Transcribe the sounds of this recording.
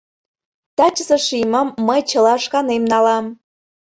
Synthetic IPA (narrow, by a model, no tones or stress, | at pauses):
t̪ɑt͡ɕəzə̆ʃimə̆mːəjt͡ɕə̆lɑʃkɑnemnɑlɑm